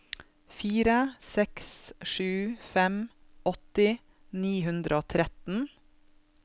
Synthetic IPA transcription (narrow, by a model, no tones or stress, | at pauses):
fiːɾəsɛksʃʉːfɛmɔt̪ɪ | niːɦʉnd̪ɾəoːt̪ʰɾɛt̪n̩